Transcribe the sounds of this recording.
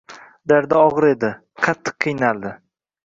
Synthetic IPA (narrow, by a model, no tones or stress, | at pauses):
d̪aɾd̪aɒʁɨɾe̞d̪ɪ | qʰɑt̪ʰːɨ̥qʰːɨjnald̪ɪ